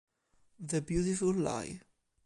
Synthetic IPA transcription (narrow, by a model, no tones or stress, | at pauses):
ðəbjutɪfəlla̰ɪ